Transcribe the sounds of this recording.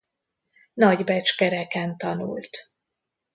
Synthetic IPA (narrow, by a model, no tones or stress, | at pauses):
nɒɟbɛt͡ʃkɛɾɛkɛnt̪ɒnṵlt̪